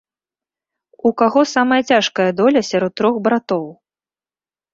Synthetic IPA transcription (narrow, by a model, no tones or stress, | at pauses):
ukaɣɔsamɐjɐt͡sʲaʂkɐjɐd̪ɔlʲɐsʲaɾɔt̪ːɾɔxbɾat̪ɔw